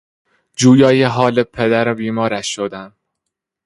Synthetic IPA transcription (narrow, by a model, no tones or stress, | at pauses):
d͡ʒuːjɒːjeɦɒːlepʰed̪æɾebiːmɒːɾæʃːod̪æm